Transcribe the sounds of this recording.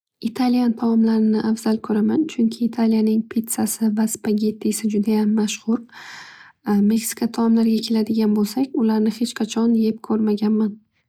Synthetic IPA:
ɪt̪ʰalijant̪ʰamɒmlaɾɪnɪʔafz̥alkʰɵɾamant͡ʃʰʊŋkʲʰɪːt̪ʰalijanɪŋpʰet̪sasɪvaspaɡʲe̞t̪ʰːisɪd͡ʒʊd̪ajamːaʃhʊɾ | me̞ksɪ̥kʰʲat̪ʰaɒmlaɾɡʲakʲʰe̞lad̪ɪɡʲanbolˠsakʲʊlaɾnɪhe̞t͡ʃqʰɑt͡ʃʰɒnje̞p̚kʰɵɾmaɡʲanman

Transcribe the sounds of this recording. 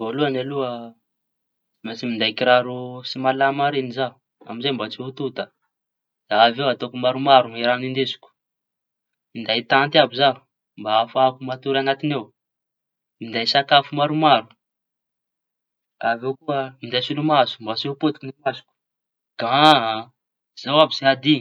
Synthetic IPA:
voluanaluə | masimind̪ajkiɾaɾusimalamaɾenizaɦu | a̰mizajmbat͡siɦut̪ut̪a | d̪̥aavewat̪okumaɾumaɾuiɾanind̪esu̥ku̥ | mind̪ajt̪ant̪iabuzaɦu | mbaafakumat̪uɾanat̪inew | mind̪ajsakafumaɾumaɾu | avewkuəmind̪ajsilumazu̥mbat͡siupot̪i̥kinimasu̥kʲu̥ | ɡ̥a | z̥awabizead̪i

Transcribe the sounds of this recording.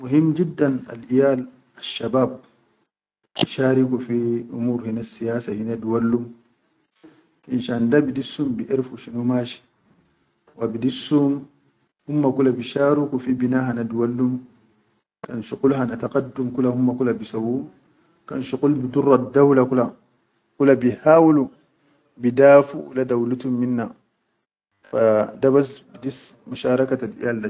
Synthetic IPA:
muɦimːd͡ʒidːana̰lʔijaːl | aʃːabaːb̚ | biʃaːɾikufiʔumuːɾhinasːijaːsahinaduwalːum | finʃandabidisːumbiʔiɾfuʃinumaʃi̥ | wabidisːum | humːakulabiʃaːɾikufibinaːɦanaduwalːum | kanʃuqulɦanat̪aqadːumkulahumːakulabisawu | kanʃuqulbidurˤːadawlakula | kulabihaːwlu | bidaːfṵw̰ladawlut̪umːinːa | fadabasbidismuʃaːɾˤɑkatadḭjalːa

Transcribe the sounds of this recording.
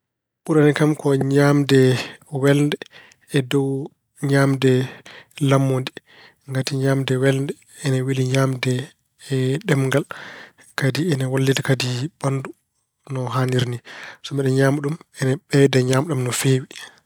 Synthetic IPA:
ɓuɾanikamkɔɲamdɛwɛlndɛ | ɛdɔw | ɲaːmdɛlamːondi | ŋɡatiɲaːmdɛwɛlndɛ | ɛnɛwiliɲaːmdɛː | ɗɛmŋɡal | kadiɛnawalːitakadiɓandu | nɔɦaniɾnisɔmɛɗɛɲaːmuɗumɛnɛɓɛdɛɲaːmɗamnɔfewi

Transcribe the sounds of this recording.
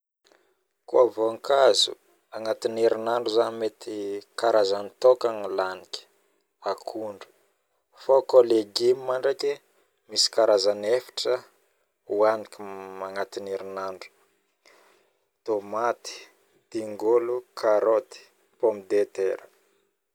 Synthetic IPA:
kuavoŋkazṵ | aŋat̪ineɾinaɳɖ͡ʐuzanmet̪ikaɾazanit̪okaŋilanikʲi̥ | akʰuɳɖ͡ʐu̥ | fokoleɡimimaɳɖ͡ʐaki | misi̥kaɾazanefi̥ʈ͡ʂə | uanikimaŋat̪ineɾinaɳɖ͡ʐu̥ | t̪omat̪i̥ | d̪̥iŋɡolukʰaɾot̪i̥ | pomid̪et̪eɾə

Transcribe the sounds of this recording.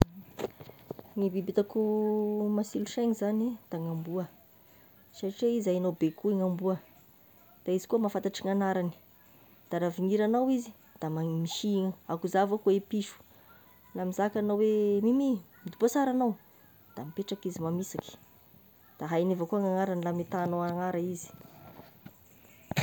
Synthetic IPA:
ŋibibit̪akumasiluʃeŋizanid̪̥aŋambuə | saʈ͡ʂeizajanawbekuiŋambuə | d̪̥aizi̥kuəmafant̪aʈ͡ʂiŋanaɾani̥ | d̪̥aɾaviŋiɾanawizi̥ | d̪̥amamiʃiŋakuzavakuepiʃu̥ | lamizakanawemimimid̪ubosaɾanaw | d̪̥amipeʈ͡ʂakizimamisaki̥ | d̪̥aɦajnevakuaŋaŋaɾanilamit̪anoaŋaɾaizi̥

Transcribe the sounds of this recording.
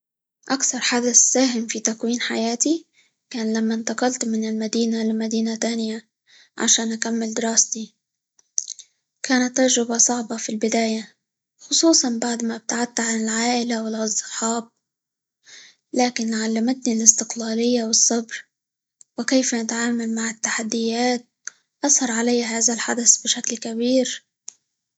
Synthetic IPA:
ʔakθɑɾˤħad̪aθːaːɦɪmfit̪akwiːnħa̰jaːt̪i | kaːnlamːaɪnt̪ɑqɑlt̪mɪnɪlmad̪iːnalmad̪iːnat̪aːnɪja | ʕa̰ʃaːnʔakamːɪld̪ɪɾɑːst̪i | kaːnat̪ːɑɾʒɾɪbasˤɑʕbɑfilbɪd̪aːja | xʊsˤuːsˤɑnbaʕd̪mabɪt̪aʕat̪ːaʕanɪlʕaːʔɪlawɪlʔɑzˤːɨħɑːb̚ | laːkɪnlɪʕalːamat̪nilɪst̪ɪqlaːlɪjːawɪsˤːɑbɾ | wɪkejfanɪt̪ʕaːmalmaʕɪt̪ːaħad̪ːɪjaːt̪̚ | ʔɑshɑɾˤʕalajːaɦaːðalħad̪asbɪʃaklkabiːɾ

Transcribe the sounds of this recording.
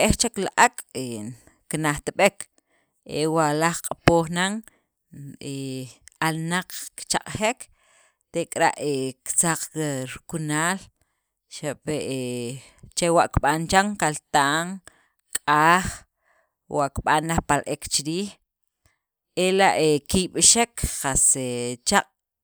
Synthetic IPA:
ʔeht͡ʃaklaʔakʼe | knaχt̪iɓek | ewaʔlaχqʼapoːχnaŋ | ealnaq͡χkt͡ʃaqʼχek | t̪ekʼɾa̰ʔekt͡saq͡χɾkunaːl | ʃaʔpeʔe | t͡ʃewaʔkɓant͡ʃaŋkalt̪aːʔŋ | kʼaːχ | waʔkɓanːaχpalʔekt͡ʃiɾiːχ | elaʔekiɓʃekχaset͡ʃaqʼ

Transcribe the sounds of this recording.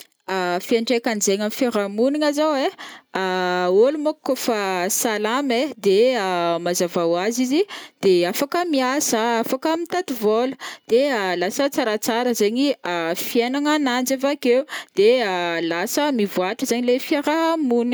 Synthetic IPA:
afiaɳɖ͡ʐekanzeɲamifaɾamuniŋazaweaolumokːofasalamed̪eəmazavawazizid̪̥eafakəmiasəafakəmit̪at̪ivolə̥d̪̥ealasət͡saɾat͡saɾəzeɲiafienaŋanand͡ʒavakewd̪̥ealasəmivuaʈ͡ʂəzaɲilefiaɾamuni

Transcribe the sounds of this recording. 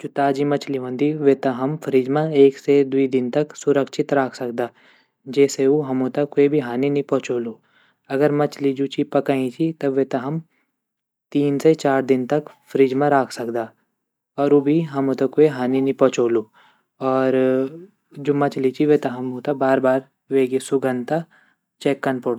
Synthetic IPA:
d͡ʒʊt̪aːd͡ʒimɐt͡ʃliʋə̃nd̪iʋeːt̪ɐɦɐmfʰɾiːd͡ʒmãeːksed̪uid̪ɪnt̪ɐksʊɾəkʃɪt̪ɾaːkʰsɐkd̪aː | d͡ʒɛːseuɦɐmõt̪ɐkːoebʱiɦaːninĩpɔ̃ːt͡ʃoːluː | ɐɡəɾmɐt͡ʃlid͡ʒut͡ʃʰipɐkaĩt͡ʃʰit̪ɐbʋet̪ɐɦɐm | t̪iːnset͡ʃaːɾd̪ɪnt̪ɐkfʰɾid͡ʒmẽɾaːkʰsɐkd̪aː | ɔːɾobʱiɦɐmõt̪ɐkːoeɦaːninipɔːt͡ʃoːluː | ɔːɾ | d͡ʒoːmɐt͡ʃlit͡ʃʰiʋet̪ɐɦɐmɦot̪abaːɾbaːɾ | ʋeːɡesʊɡə̃nd̪t̪a | t͡ʃɛːkːɐnpoɽ

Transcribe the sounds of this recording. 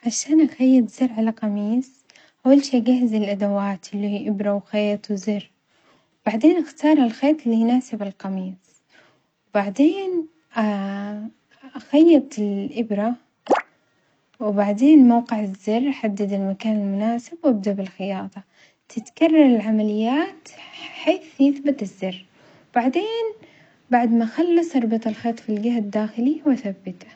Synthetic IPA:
ʕaʃaːnʔaxajːɪb̪zɪɾʕalaqɑmiːs | ʔawːalʃiːɡaɦɪzɪlʔad̪awaːt̪ʔɪlːihiːʔɪbɾˤawxeːt̪ˤwzɪrː | wb̥aʕd̪eːnʔaxt̪ɑːɾˤalxeːt̪ˤɪlːijnaːsɪbɪlqɑmiːs | wbaʕd̪eːn | ʔa | ʔaxajːɪb̚t̪ɪlʔɪbɾa | wbaʕd̪eːnmawqɪʕazːɪrːħad̪ːad̪ɪlmakaːnalmʊnaːsɪbwabd̪abɪlxɪjɑːt̪ˤɑ | t̪ʰɪt̪kɑrˤːɑɾˤɪlʕamalɪjːaːt̪ħeːθjɪθbat̪ɪzːɪrː | wb̥aʕd̪eːn | baʕd̪maxalːɑsˤʔɑɾˤbɑt̪ˤɑlxeːt̪ˤfilɡaɦad̪ːaːxɪliwaθabːɪt̪ḁ

